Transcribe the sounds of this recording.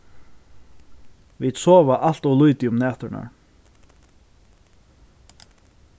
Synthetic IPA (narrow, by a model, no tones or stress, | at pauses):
vid̪sɔːvaʔal̥t̪ɔwlujt̪ɪʊmnɛːt̪ʏɾna̰ɹ